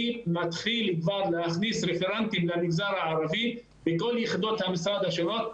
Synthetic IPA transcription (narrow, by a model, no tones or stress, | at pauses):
imat̪χilid̪vaɾlehaχnisɾefeɾant̪imlamiɡzaɾhaʕaɾavi | bekoljiχid̪ot̪hamisɾad̪haʃeɾot̪